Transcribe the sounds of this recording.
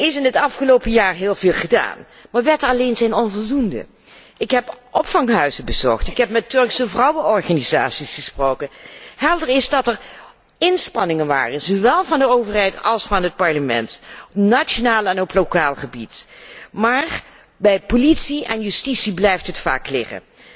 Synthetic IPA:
ɪsɪnətɑfχəlowpəjaːɹɦɪːlˠvɪːlˠχəda̰ːn | maːɹʋɛtəɑlejnzɛjnɔnvɔlˠdundə̰ | ɪkɦɛpʔɔpfɑŋɦœɥzəbəzɔ̰χtɪkɦɛp̚mɛtɵɹksəvrɑwənɔɹχaːniza̰ːtsisχəsprowkənhɛlˠdəɹɪzdɑtɛr | ɪnspɑnɪŋənʋa̰ːrənzoʋɛlˠvɑndəowvərɦɛjtɑ̰lˠsfɑnɦət̚pɑɹləmɛ̰ntɔpnat͡ʃonaːlˠɛnɔplokaːlˠχəbitmaːɹ | bɛjpolitsiʔɛnjystisiblɛjftɦətfa̰ːklɪχə̰

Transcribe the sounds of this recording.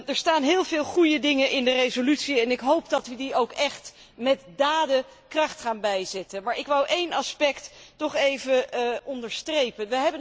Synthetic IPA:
dɛɹstaːnɦɪːlˠvɪːlˠχujədɪŋənʔɪndərezolytsiɛnɪkɦowp̚dɑtʋədiowkɛχt | mɛtdaːdə | krɑχtχaːnbɛjzɛtəmaːɹɪkʋɑwʔejnɑspɛkttɔχejvəʔɔndəɹstrejpənʋəɦɛbən

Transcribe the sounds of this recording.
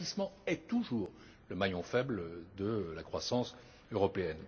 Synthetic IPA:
ismɑ̃ɛt̪uʒuːʁ | ləmajɔ̃fɛbld̪əlakχwasɑ̃s | øʁɔpeɛn

